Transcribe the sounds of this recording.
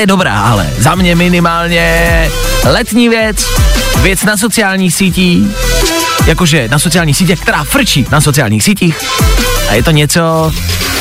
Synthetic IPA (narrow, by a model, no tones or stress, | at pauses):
jɛdobɾa̰ːʔalɛ̰zamɲɛmɪnɪmaːlɲɛ | lɛt̪ɲiːvjɛt͡svjɛt͡snas̬o̞t͡sɪjaːlɲiːxsiːciː | jakoʒɛnasot͡sɪjaːlɲiːxsiːc̬ɛkt̪ɛɾaːfɾ̩t͡ʃiːnasot͡sɪja̰ːlɲiːxsiːciːxʔa̰jɛt̪oɲɛt͡so